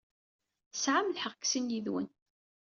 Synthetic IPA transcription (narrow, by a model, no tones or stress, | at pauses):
sʕamlħəʁkːsinjiðwə̰n